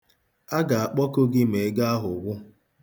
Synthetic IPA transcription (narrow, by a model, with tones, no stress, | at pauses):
a˦ɡa˨a˨k͡pɔ˦ko˦ɡɪ˦me˨e˦ɡa˦a˦ɦʊ˨ɡʷʊ˦